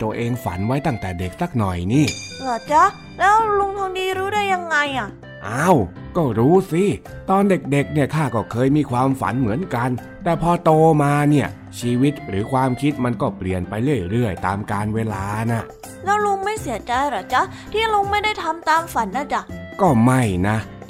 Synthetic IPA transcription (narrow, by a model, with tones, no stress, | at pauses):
t̪u˧əʔeː˧ŋfa̰˩˦nwa˦˥jt̪a˥˩ŋt̪ɛː˨˩de˨˩k̚sa˦˥˩k̚nɔ˨˩jniː˥˩ | lɔː˨˩t͡ɕa˦˥ | lɛː˦˥wlu˧ŋt̪ʰu˧ŋdiː˧ɾuː˦˥daː˥˩jːa˧ŋːa˧jʔa˨˩ | ʔaː˧˩w | kɔː˥˩ɾuː˦˥si˧˩ | t̪ɔː˧nde˨˩k̚de˨˩k̚ni˥˩ɐk̪ʰaː˥˩kɔː˥˩kʰɤː˧jmiː˧kʰwaː˧mfa̰˩˦nmɯ˩˦ənka˧n | t̪ɛː˨˩pʰɔː˧t̪oː˧maː˧ni˥˩ə | t͡ɕʰiː˧wi˦˥t̪̚ɾɯː˩˦kʰwaː˧mkʰi˦˥t̪̚ma˧nkɔː˥˩pli˨˩ənpa˧jɾɯ˥˩əjɾɯ˥˩əjt̪a̰ː˧mkaː˧nweː˧laː˧na˧˥˩ | lɛː˦˥wlu˧ŋma˥˩jsi˩˦ɐət͡ɕa˧jɾa˨˩t͡ɕa˦˥ | t̪ʰiː˥˩lu˧ŋma˥˩jda˥˩jt̪ʰa˧mt̪aː˧mfa˨˩˦nːa˧˥˩t͡ɕa˧˩kɔː˥˩ma˥˩jna˦˥